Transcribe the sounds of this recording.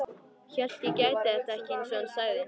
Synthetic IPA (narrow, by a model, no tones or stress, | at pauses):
çœl̥t̪jɛcaːjt̪ɪɛht̪aɛhcɪɪnsvɛnsœːɣðɪn